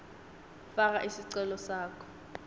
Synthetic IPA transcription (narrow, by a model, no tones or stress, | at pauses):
far̬aʔisiǀɛlɔsaːkʰɔ̥